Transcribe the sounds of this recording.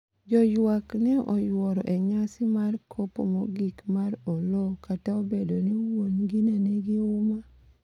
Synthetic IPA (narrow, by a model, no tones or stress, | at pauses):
d͡ʒɔjwaknɛʔɔjwɔɾɔʔɛɲasɪmarkʰopo̰moɡikmarɔlɔkataobedoniwonɡinenɛɡɪʊma